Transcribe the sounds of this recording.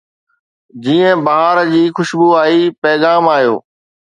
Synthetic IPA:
d͡ʑiːə̃bɐɦaːɾd͡ʑiːxʊʃbuːaːiːpɛːɣaːmaːɦjo̰ː

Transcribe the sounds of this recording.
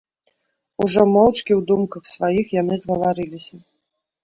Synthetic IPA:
uʐɔmɔwt͡ʂkʲiwd̪umkɐxsvajixjanɨzɣɐvaɾɨlʲisʲɐ

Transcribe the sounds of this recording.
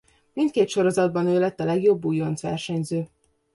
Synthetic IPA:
mint̪keːt̪ʃo̞ɾo̞zɒd̪̚bɒnøːlɛt̪ːɒlɛɡjo̞bːujo̞nsʋɛrʃɛɲzøː

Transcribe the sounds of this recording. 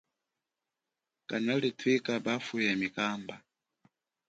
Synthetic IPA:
kanalitʰwikabafujamikaːmba

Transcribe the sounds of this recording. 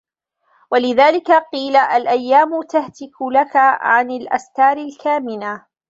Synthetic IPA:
walɪðaːlɪkaqiːlaʔalʔajːaːmʊt̪aht̪ɪkʊlakaʕanalʔa̰skaːɾɪlkaːmɪna

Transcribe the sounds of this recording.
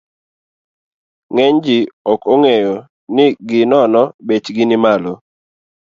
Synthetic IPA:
ŋɛɲd͡ʒɪɔkoŋejo | nɪɡɪnɔnɔbet͡ʃɡɪnɪmalo

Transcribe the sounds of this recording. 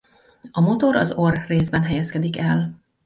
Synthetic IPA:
ɒmo̞t̪o̞ɾɒ̰zorːeːzbɛnɦɛjɛskɛd̪ikɛl

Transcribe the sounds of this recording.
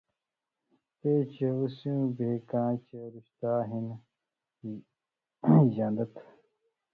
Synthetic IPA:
t̪et͡ɕeusjũːbʱeːkãːt͡ɕeɾuɕt̪aːɦin | jãːnd̪ɐt̪

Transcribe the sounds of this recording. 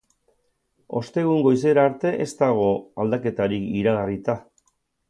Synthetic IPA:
o̞̰st̪e̞ɣuŋɡo̞jis̬e̞ɾaːɾt̪e̞ʔe̞st̪aɣ̞o̞ald̪ake̞t̪aɾikiɾaɣarit̪a

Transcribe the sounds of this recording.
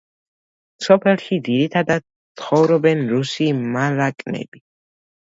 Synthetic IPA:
sɔpʰɛlˠʃid̪iɾit̪ʰad̪ad̪̚sχɔvɾɔbɛnɾusimalakʼnɛ̰bi

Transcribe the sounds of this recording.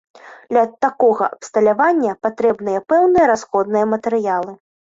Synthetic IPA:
d̪lʲɐt̪akɔɣɐ̰ʔɐpst̪ɐlʲavanʲːɐpat̪ɾɛbnɨjɐpɛwnɨjɐɾasxɔd̪nɨjɐmɐt̪ɛɾɨjalˠɨ

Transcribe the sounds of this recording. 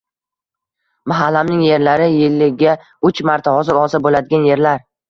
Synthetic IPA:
maɦalːamnɪŋje̞ɾlaɾɪjɪlːɪɡʲa | ʊt͡ʃmaɾt̪ʰahɒzɪɾɒzɪbolad̪ɪɡʲanje̞ɾlaɾ

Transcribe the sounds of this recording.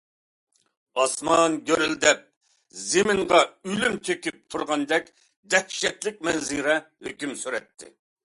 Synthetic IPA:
ɑsmɑnɡʲøɾyld̪ɛp̚ | zemɪŋʁɑylymt̪ʰøkʲyp̚t̪ʰuɾʁɑnd̪ɛkʲ | d̪ɛkʃɛt̪lɪk̚ʲmɛnziɾɛhøkʲymsyɾɛt̪ʰːɪ̰

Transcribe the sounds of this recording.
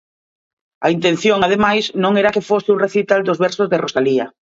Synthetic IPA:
ɐint̪ẽnθjoŋað̞emajsnõŋɛɾakɪfosɪuŋreθit̪ald̪ozβɛɾsozðɪrosaliɐ

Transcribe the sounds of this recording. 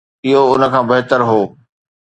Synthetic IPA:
ɪɦoʊnə̆kʰãːbɐɦt̪əɾɦoː

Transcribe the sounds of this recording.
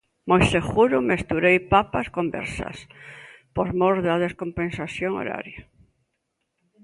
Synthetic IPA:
mojsexuɾʊmest̪uɾejpapaskombɛ̰ɾsɐ̰s | poɾmoɾðɐðeskompensaθjoŋo̰ɾa̰ɾja

